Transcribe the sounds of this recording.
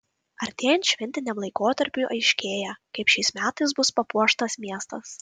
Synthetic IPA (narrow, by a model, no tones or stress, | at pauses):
ɐɾʲt̪ʲeːjɛnt̪ʃʲʋʲɛnʲt̪ʲɪnʲɛmlˠɐɪkoːt̪ɐɾʲpʲuˑʔɐɪʃʲkʲeːjɛkɐɪpʃʲɛɪsmʲæːt̪ɐɪs̬bʊspɐpuɔʃt̪ɐsmʲiɛst̪ɐs